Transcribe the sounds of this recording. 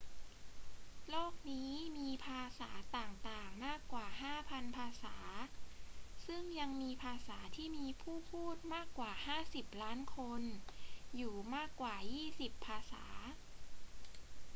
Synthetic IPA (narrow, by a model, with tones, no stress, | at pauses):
loː˥˩k̚niː˦˥˦miː˧pʰaː˧saː˩˦t̪aː˨˩ŋt̪aː˨˩ŋmaː˥˩kːwaː˨˩ɦaː˥˩pʰa˧npʰaː˧saː˩˦ | sɯ˥˩ŋja˧ŋmiː˧pʰaː˧saː˩˦t̪ʰiː˥˩miː˧pʰuː˥˩pʰuː˥˩t̪̚maː˥˩kːwaː˨˩haː˥˩si˨˩p̚laː˦˥nkʰo˧njuː˨˩maː˥˩kːwaː˨˩jiː˥˩si˨˩pʰːaː˧sa̰ː˩˦